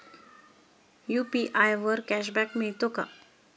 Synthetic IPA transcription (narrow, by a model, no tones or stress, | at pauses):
jupiʔajʋəɾkæɕ̬bɛkmiɭt̪oka̰